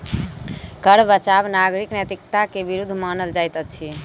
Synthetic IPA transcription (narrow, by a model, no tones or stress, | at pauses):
kəɾbət͡ʃabnaɡɾiknjət̪ik̚t̪akebiɾud̪ʱːmanəld͡ʒajt̪ət͡ʃʰi